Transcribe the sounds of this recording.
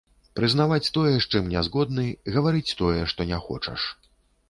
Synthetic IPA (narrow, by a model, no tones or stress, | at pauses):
pɾɨznavat͡sʲt̪ɔjɛʂt͡ʂɨmnʲɛzɣɔd̪̚nɨɣɐvaɾɨt͡sʲt̪ɔjɛʂt̪ɔnʲɛxɔ̰t͡ʂɐ̰ʂ